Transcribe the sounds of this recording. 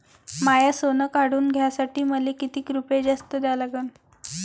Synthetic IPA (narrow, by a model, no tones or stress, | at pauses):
majasonəkaɽuːnɡʱjasaʈiːməlekit̪iːkɾuped͡ʑast̪əd̪alaɡən